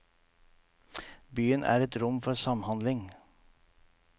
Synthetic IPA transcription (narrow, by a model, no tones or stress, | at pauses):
byːənʔæ̰ːɾɛt̪ɾʊmfɔɾsɑmhɑnd̪lɪŋ